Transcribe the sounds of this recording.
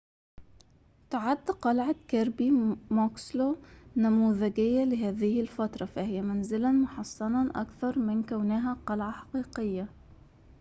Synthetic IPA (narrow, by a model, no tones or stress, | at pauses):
t̪ʊʕad̪ːqɑlʕakaɾbimokslonamuːðɪɡɪjːalɪɦaːðɪhɪlfat̪ɾˤɑfahɪjːamanzɪlamʊħɑsˤːɑnɑʔa̰kθɑɾˤmɪnkawnaːɦaqɑlʕaħɑ̥qiːqɪjːa